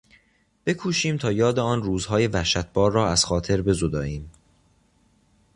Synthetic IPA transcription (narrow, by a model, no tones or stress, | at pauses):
b̥e̞kʰuːʃiːmt̪ʰɒːjɒːd̪eɒːnruːzɦɒːje̞væhʃæt̪̚b̥ɒːɾːɒːæz̥xɒːt̪ʰe̞ɾbe̞zod̪ɒːʔiːm